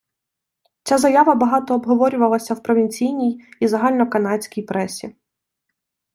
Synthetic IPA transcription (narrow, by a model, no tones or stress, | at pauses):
t͡sʲazɐjaʋɐbɐɦɑt̪ɔːbɦɔʋɔɾʲʊʋɐlˠɐsʲɐwpɾɔʋʲinʲt͡sʲijnʲijizɐɦɑlʲnɔkɐnɑt͡sʲkʲijpɾɛsʲi